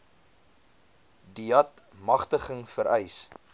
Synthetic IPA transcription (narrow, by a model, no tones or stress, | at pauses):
diɐtmɐχtəχəŋfəɾɛjs